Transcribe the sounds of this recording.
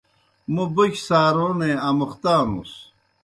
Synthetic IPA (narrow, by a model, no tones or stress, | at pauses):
mubuksaːɾoːneɐmuχt̪aːnṵs